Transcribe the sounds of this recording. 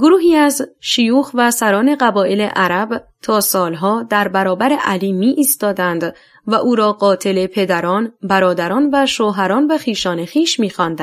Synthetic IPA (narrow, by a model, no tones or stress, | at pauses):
ɡoɾuːɦiːæzʃijuːxvæsæɾɒːne̞ɣæbɒːe̞lḛʔæɾæbt̪ʰɒːsɒːlɦɒːd̪æɾbæɾɒːbæɾeʔæliːmiːʔist̪ɒːd̪ænd̪ | væʔuːɾɒːɢɒːt̪ʰe̞lepʰe̞d̪æɾɒːnbæɾɒːd̪æɾɒːnvæʃoːɦæɾɒːnvæxiːʃɒːnexiːʃmiːxɒːnd̪æ